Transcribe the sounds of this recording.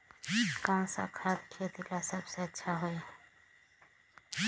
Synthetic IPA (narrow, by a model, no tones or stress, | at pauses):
kawsa̰kʰat̪kʰet̪ilasəbseətːʃʰaɦoj